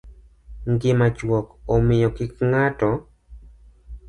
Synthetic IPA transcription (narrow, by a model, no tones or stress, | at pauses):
ŋɡɪmat͡ʃwɔkɔmɪjɔkɪkŋatɔ